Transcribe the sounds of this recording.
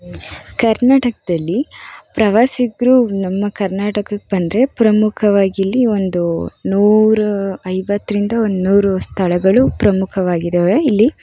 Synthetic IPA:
kɐɾnaːʈɐkɐd̪ɐlːipɾɐʋaːsiɡɾuːnɐmːɐkɐɾnaːʈɐkɐk̚ebɐnd̪ɾe̞pɾɐmukʰɐʋaːɡilːio̞nd̪unuːɾuɐjbɐt̪ːɾind̪ɐond̪unuːɾust̪ʰɐɭɐɡɐɭupɾɐmukʰɐʋaːɡid̪eːʋeilːi

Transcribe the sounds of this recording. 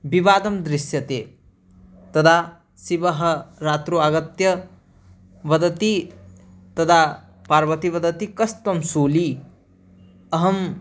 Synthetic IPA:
bibaːd̪ɐmd̪ɾɪsjɐt̪eː | t̪ɐd̪ʰa | siʋɐɦɐ̆ɾaːt̪ɾuaɡɐt̪jɐ | ʋɐd̪ɐt̪i | t̪ɐd̪ʰʱa | paːɾʋɐt̪iʋɐd̪ʱɐt̪ikɐst̪ɐmsuːli | ɐɦɐm

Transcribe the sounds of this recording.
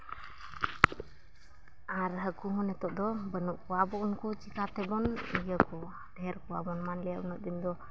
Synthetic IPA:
aɾɦəkuɦɔnɛt̪ɔʔd̪ɔbənuʔkuabɔʔunkut͡ʃikat̪ɛbɔnijəkɔ | dɛɛɾkua̰bɔnmanlɛabɔnɔʔd̪ind̪ɔ

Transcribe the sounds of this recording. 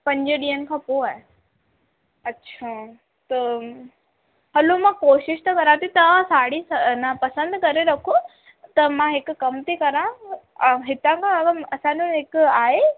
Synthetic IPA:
pɐ̃ɲd͡ʑɪɗiːɦənɪ̆kʰãːpoːaːɦe | ɐtːɕʰaː | t̪ɐ | ɦɐlomãːkoːʃɪʃt̪ɐkɐɾãt̪ʰit̪ɐasaːɽisɐnɐpɐsə̃nd̪kɐɾeɾɐkʰo | t̪ɐmãɦɪkʊ̆kɐmt̪ʰikɐɾã | ɦɪt̪ãkʰãɐɡəɐsãːɲd͡ʑõɦɪkaːɦe

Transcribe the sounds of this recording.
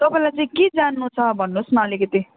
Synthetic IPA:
t̪ʌpãĩlajt͡sãĩked͡zanːut͡sʰʌbʱʌnːosmʌːlikʌt̪i

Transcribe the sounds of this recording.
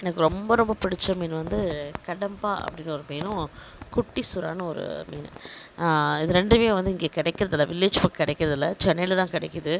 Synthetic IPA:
ɛnɐkːɯɾɔmbɐɾɔmbɐpɪɽɪt͡ʃːɐmiːnʋɐnd̪ɯkɐɽɐmbaːʔɐ̰pːɐɽɪnɔɾɯmeːnʊ̃ | kʊʈːisʊɾaːnɐɔɾɯ̰mḭːn̰ | ɪðɯɾɛɳɖɯmeːʋɐnd̪ɯɪŋɡeːkɪɽɐɪkːɪɾɐðɪlːɐːʋɪlːeːd͡ʒpɐkkːɪɽɛɪkːɪɾɐðɪlːɐt͡ʃɛnːɐjlt̪ãːkɪɽɛɪkːɐðɯ

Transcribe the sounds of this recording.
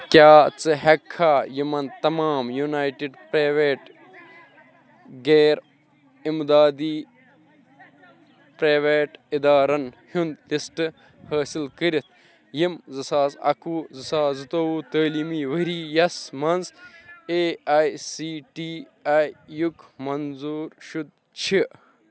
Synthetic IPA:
kjaːt͡sɨɦɐkʰːaːjimɐnt̪ɐmaːmjunaːjʈiɖpɾaːʋeːʈ | ɡeːɾ | imd̪aːd̪iː | pɾaːʋeːʈid̪aːɾɐnhund̪lisʈɨ | hɐːsilkəɾit̪̚ʰ | jimzɨsaːzɐ̰kuːzɨsaːzɨt̪owuːt̪əːlimiːʋɐɾiːjɐsmɐnzeːajsiːʈiː | aːjjukmɐnzuːɾʃud̪̚ | t͡ʃʰi

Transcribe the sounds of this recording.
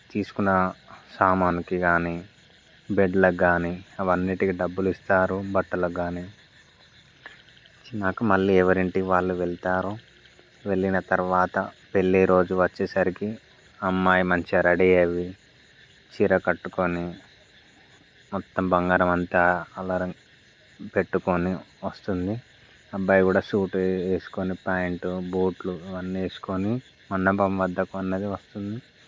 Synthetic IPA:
t̪iːsu̥kunːɐsaːmaːnikiɡaːni | beɖlɐɡaːniɐʋɐnːiʈikiɖɐbːulist̪aːɾubɐʈːɐlɐɡaːni | t͡ʃinaːkumɐɭːiːɛʋɐɾiɳʈiʋaːɭːuʋe̞ɭt̪aːɾu | ʋe̞ɭːinɐt̪ɐɾʋaːt̪ɐpe̞ɭːiɾo̞ːd͡ʒuʋɐt͡ʃːeːsɐɾiki | ɐmːaːjimɐɲt͡ʃiɾɐɽiɐʋi | t͡ʃiɾɐkɐʈːukoni | mɔt̪ːɐmbɐŋɡaːɾɐmɐnt̪aːɐlɐɾɐ | pe̞ʈːukoniʋɐst̪und̪i | ɐbːɐːjkuːɽaːʃuːʈeːsu̥konipaːjɳʈubuːʈluiʋɐnːie̞ːsu̥koni | mɐnːɐpɐmʋɐd̪ːɐkuɐnːeːd̪iʋɐst̪und̪i

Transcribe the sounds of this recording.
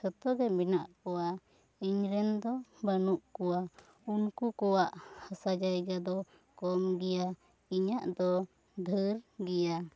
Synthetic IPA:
sɔt̪ɔɡɛminaʔkɔwa | iɲɾɛnd̪ɔbanuʔkɔwa | unkukɔwaʔhasad͡ʒajɡad̪ɔ | kɔmɡɛja | iɲaʔd̪ɔ | d̪ʱəɾɡɛja

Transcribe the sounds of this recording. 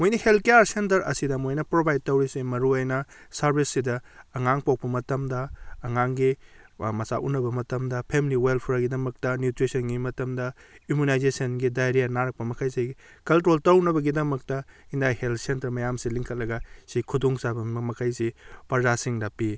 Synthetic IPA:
mojnɐhelt̚kejaɾsentɐɾɐ̰sidɐmojnɐpɾobajd̚tɐwɾisimɐɾuojnɐsɐɾbʱisːidɐːŋaŋpawk̚pɐmɐtɐmdɐːŋaŋɡimɐsaʔunɐbɐmɐtɐmdɐpʰemiliwelpʰɾaɡidɐmɐk̚tɐnjutɾisɐnɡimɐtɐmdɐimunajzesɐnɡidajɾijanaɾɐk̚pɐmɐkʰajsiɡ | kɐltɾoltɐwnɐbɐɡidɐmɐk̚tɐindajheltsentɐɾmɐjamsiliŋkʰɐt̚lɐɡɐsikʰuduŋsabɐmɐkʰajsipɐzasiŋdɐpi

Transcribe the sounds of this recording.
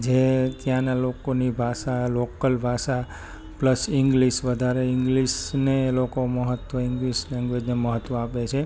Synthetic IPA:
d͡ʒet̪jãnalokonibʱasalokəlbʱaʃa | pləsɪŋɡliʃʋəd̪ʱaɾeɪŋɡliʃnelokoməɦət̪ʋəɪŋɡliʃlɛ̃ŋɡʋed͡ʒneməɦət̪ːʋəapet͡ʃʰe

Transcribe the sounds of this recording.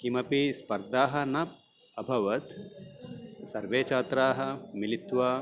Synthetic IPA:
kimɐpispɐɾd̪ʱaːɦɐ̆nɐp̚ | ɐbʱɐʋɐt̪ | sɐɾʋeːt͡ʃaːt̪ɾaːɦɐ̆milit̪ʋa

